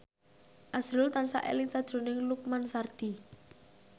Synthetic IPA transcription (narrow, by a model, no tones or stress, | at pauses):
ʔasɾʊlt̪ansa̰ʔḛlɪŋsad̥ʒ̥o̤nɪŋluk̚mansard̪̥i